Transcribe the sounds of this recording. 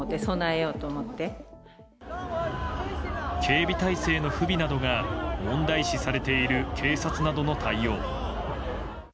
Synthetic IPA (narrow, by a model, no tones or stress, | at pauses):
ot̪ːe̞so̞naejo̞ːt̪oːmot̪ːe̞ | kʰe̞ːbʲit̪aise̞ːno̞ɸɯ̟bʲinad̪o̞ɡamõ̞nd̪aiɕisaɾe̞t̪e̞iɾɯ̟kʰe̞ːsat͡sɨnad̪o̞no̞t̪ʰaijo̞ː